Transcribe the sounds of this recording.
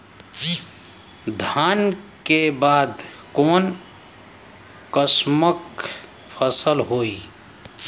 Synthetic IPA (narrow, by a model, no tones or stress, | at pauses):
d̪ʱankebad̪kon | kəsmək | pʰəsəlɦoi